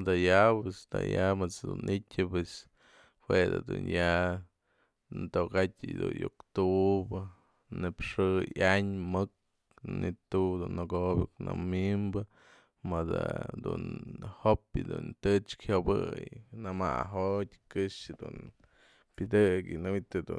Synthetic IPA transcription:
d̪ajapest̪a̰jamɨt͡sd̪unʔitʲɨpes | hwed̪ɨ̰d̪unja | nt̪okatʲɨd̪ṵnjokt̪ubɨ | nɨpʂɨjaɲmɨk̚ | nit̪ud̪unːɨɡobʲiknamimbɨ | mad̪ad̪unhopjɨd̪unt̪ɨt͡ʃkhʲobɨjnama̰ɦot̪ʲkɨʂɨd̪un | pʲɨd̪ɨkɨnɨit̪ɨd̪u

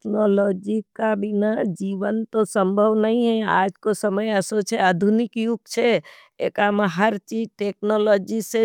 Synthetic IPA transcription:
knolod͡ʒikabinad͡ʒiʋənt̪osə̃mbʱəʋnəɦĩɦɛ̃a̰d͡ʒkosəməjəsot͡ʃʰead̪ʱunɪkjukt͡ʃʰe | ḛkameɦəɾt͡ʃid͡ʒʈeknoloːd͡ʒise

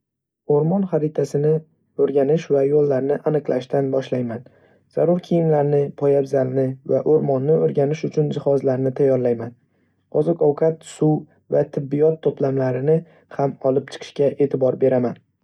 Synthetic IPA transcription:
oɾmɒnχaɾɪt̪ʰasɪnɪ | ɵɾɡʲanɪʃvajolˠːaɾnɪʔanɨqlˠaʃt̪anbɒʃlajman | z̥aɾʊɾkʲʰijɪnlaɾnɪpʰɒjabzalnɪvaʔoɾmɒnːɪoɾɡʲanɪʃʊt͡ʃʰʊnd͡ʒɪhɒzlaɾnɪt̪ʰajːɒɾlajman | qʰɒzɒkɒwkʰat̪suw | vat̪ʰɪbːijɒt̪ʰːoplamlaɾɪnɪ | hamɒlɪp̚t͡ʃʰɨ̥qʰɨ̥ʃkʲaʔe̞ːt̪ʰɪbɒɾbe̞ɾaman

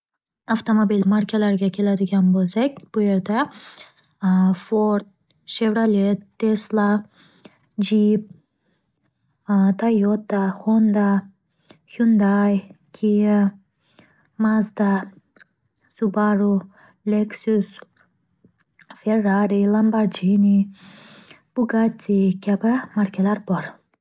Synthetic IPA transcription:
aft̪ʰomobilmaɾkʲʰalaɾɡakʰilad̪iɡʲambɔzeɡʲb̥ueɾd̪a | fɔɾt̪̚ | ʃevɾalet̪ʰːesla | d͡ʒib̚ | t̪ʰajːɔt̪̚ːaχɔnd̪a | hund̪ajkʰiə | mazd̪a | subaɾu | leksus | feɾːaɾilambaɾd͡ʒini | b̥uɡat͡sikʲabamaɾkelaɾpoɾ

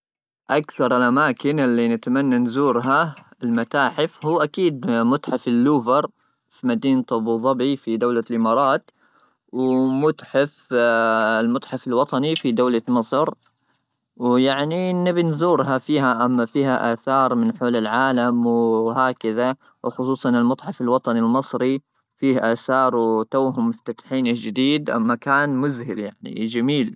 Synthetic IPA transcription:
ʔakθɑɾˤɪlʔamaːkɪnʔɪlːinat̪manːanzuːɾɦaɪlmat̪aːħɪfhuːʔakiːd̪̚mʊt̪ˤħafɪlːuːvɑɾˤ | fimad̪iːnt̪ˤɑbuðˤɑbifid̪awlalʔɪmɑːɾˤɑːt̪ | wmʊt̪ˤħaf | ɪlmʊt̪ˤħafɪlwɑt̪ˤɑnifid̪awlamɑsˤɾ | wjaʕninɪbinzuːɾɦafiːɦaʔamːafiːhaʔaːθɑːɾˤmɪnħoːlɪlʕaːlamwɪɦaːkaða | wxʊsˤuːsˤɑnɪlmʊd̪ˤħɑfalwɑt̪ˤɑnilmɨsˤɾi | fiːhʔaːθɑːɾˤwt̪awɦʊmʊft̪at̪ħiːnad͡ʒɪd̪iːd̪ʔa̰mːakaːnmʊzhɪljaʕnḭd͡ʒamiːl

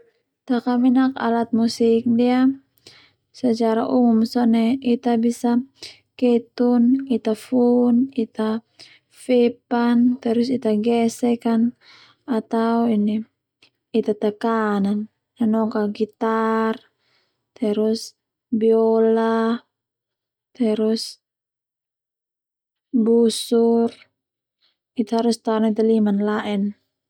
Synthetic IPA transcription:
t̪akaminaka̰lat̪̚musik̚dia | sət͡ʃaɾa̰ʔuŋumsɔnɛit̪abisa | kɛt̪unit̪afunit̪a | fɛpant̪ɛɾusit̪aɡɛsɛkan | at̪auiniː | t̪at̪akanan | anɔkaɡit̪ar | t̪ɛɾus | biɔla | t̪ɛɾus | busur | it̪aɦaɾust̪aɾɔnit̪alimanlaʔɛn

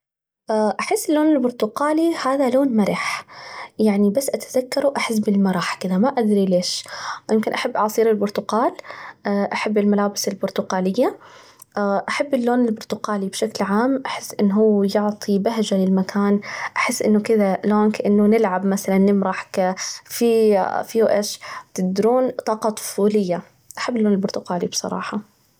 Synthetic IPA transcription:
ʔaːʔaħɪsːɪlːoːnɪlbʊɾt̪ʊqaːlihaːðaloːnmaɾˤɪħjaʕnibasːʔat̪aðakːɑɾˤuʔaħɪs̬ːbɪlmɑɾˤɑːħkɪðamaʔad̪ɾileːʃjʔɪmkɪnʔaħabːʔɑʕsˤiːɾɪlbʊɾt̪ʊqaːlaʔaħabːɪlmalaːbɪsɪlbʊɾt̪ʊqaːlɪjːa | ʔaʔaħabːɪlːoːnɪlbʊɾt̪ʊqaːlibʃaklʕaːmʔaħɪsːʔɪnːɦuːjʊʕt̪ˤʰibaɦd͡ʒalɪlmakʰaːnʔaħɪsːʔɪnːʊkɪðaloːnkaʔɪnːʊnɪlʕabmaθalanːɪmɾɑħkfifiuʔeːʃt̪ɪɡ̚d̪ɾuːnt̪ˤɑːqɑt̪ˤʊ̥fuːlɪjːa | ʔaħabːɪlːoːnɪlbʊɾt̪ʊqaːlibsˤɑ̰ɾˤɑ̰ːħɑ

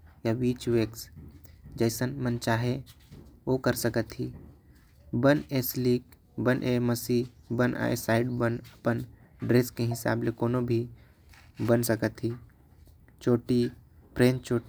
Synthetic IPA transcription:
jaʋiːt͡ʃʋeːks | d͡ʒəɪsənmənt͡ʃaːɦe | oːkəɾsəkət̪ɦiː | bəneːsliːk | bənʔeːməsiːbəna̰ḛsaːɪɖbənəpən | ɖɾeːskeɦɪsa̰ːblekoːnobʱi | bənsəkət̪ɦiː | t͡ʃoːʈipɾẽːnt͡ʃoː

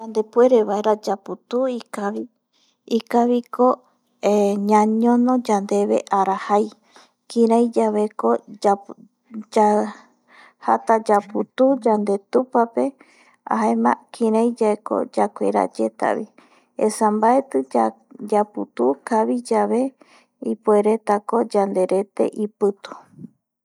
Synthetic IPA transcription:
d͡ʒand̪epueɾeβaeɾad͡ʒaput̪uikaβi | ikaβiko | eɲãɲõnõd͡ʒand̪e̞βḛʔaɾahaj | kĩɾãjd͡ʒaβekoa | d͡ʒa | hat̪ad͡ʒaput̪ud͡ʒand̪e̞t̪upape̞ | a̰ɦaemã̰kʰĩɾãjd͡ʒaeko̰d͡ʒakʷḛɾa̰d͡ʒe̞t̪a̰βḭ | ḛsambaet̪ɨ | d͡ʒaput̪ukaβid͡ʒaβe̞ | ipueɾe̞t̪ako̞d͡ʒand̪e̞ɾe̞t̪e̞̰ʔipɨt̪u̥

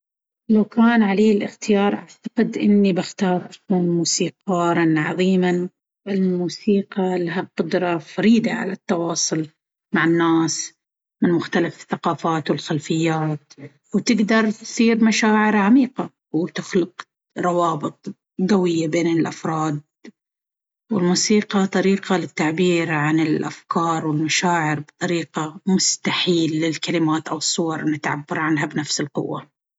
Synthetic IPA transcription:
lawkaːnʕaleːɪlʔɪxt̪ɪjɑːɾˤʔa̰ʕt̪ḁqɪd̪ʔɪnːibɪxt̪ɑːɾˤʔakuːnmuːsiːqɑːɾˤɑnʕɑðˤiːman | ɪlmuːsiːqɑlaɦaqʊd̪ɾˤɑfaɾiːd̪aʕa̰lat̪ːɑwɑːsˤʊl | maʕɪnːaːs | mɪnmʊxt̪alafɪθːaqɑːfaːt̪wɪlxalfɪjːaːt̪ | wt̪ɪɡd̪ɑɾˤt̪siːɾmaʃaːʕɪɾʕamiːqɑ | wt̪ɪxlʊq | ɾˤɑwɑːbɨt̪ˤ | ɡawɪjːabeːnɪlʔafɾˤɑːd̪̚ | wɪlmuːsiːqɑt̪ˤɑɾiːqɑlɪt̪ːaʕbiːɾʕanɪlʔafkɑːɾˤwɪlmaʃaːʕɪɾbt̪ˤɑɾiːqamʊst̪aħiːlːɪlkalɪmaːt̪ʔawɨsˤːʊwɑɾˤʔɪnːɪt̪ʕa̰bːɪɾˤʕanɦabnafsɪlqʊ̰wːa̰

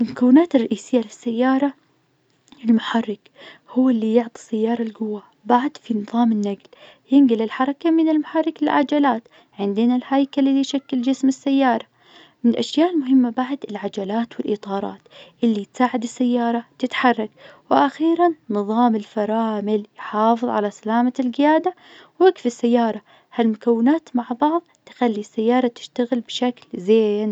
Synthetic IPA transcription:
ʔɪlkawːnaːt̪rˤːɑʔiːsɪjːalɪsːajːɑːɾˤɑ | ɪlmʊħɑrˤːɑk | hʊwːɪlːijʊʕt̪ˤi̥sajːɑːɾˤɑlɡʊwːa | baʕd̪finɨðˤɑːmɪnːaɡl | jɪnɡɪlɪlħɑɾˤɑkamɪnɪlmʊħɑrˤːɑkɪlʕa̰d͡ʒalaːt̪ | ʕɪnd̪ɪnalhajkalilːijʃakːɪld͡ʒɪsmɪsːajːɑːɾˤɑ | mɪnʔaʃjaːʔɪlmʊɦɪmːabaʕd̪ɪlʕad͡ʒalaːt̪wɪlʔɪ̰t̪ˤɑːɾˤɑ̰ːt̪ʔɪlːit̪saːʕɪd̪ɪsːajːɑːɾˤɑt̪ɪt̪ħɑrˤːɑkwɪʔaxiːɾanːɨðˤɑːmɪlfɑɾˤɑːmɪljħɑːfɨðˤʕa̰lasalaːmalɡɪjaːd̪a | wakfisːajːɑːɾˤɑ | halmʊkawːɪnaːt̪maʕbɑʕðˤt̪ɪ̥xalːisːajːɑːɾˤɑt̪ɪ̥ʃt̪aɣɪlbʃaklzeːn

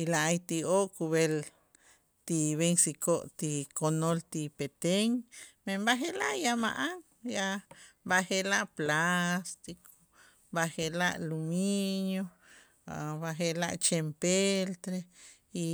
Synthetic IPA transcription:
ilaajt̪ioʔkuβel | t̪iβeŋsikoʔt̪ikonolt̪ipet̪eŋmembaɦelaʔjama̰ʔaŋ | jabahelaʔplast̪iko | bahelaʔluminjo | a̰baɦela̰ʔt͡ʃempelt̪ɾe | i

